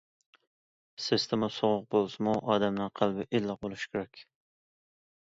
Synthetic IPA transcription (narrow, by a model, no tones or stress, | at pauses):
sɪst̪ʰɪmusoʁʊq̚bolˠsɨmuʔɑːd̪ɛmnɨŋqʰælˠbɪʔelːɑq̚bolˠuʃkʲeɾɛkʲ